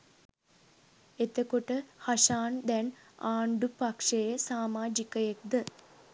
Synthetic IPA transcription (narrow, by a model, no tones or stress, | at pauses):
et̪əkoʈəhaʃaːnd̪ɛn | aːɳɖupakʂejəsaːmaːd͡ʒikəjek̚d̪ə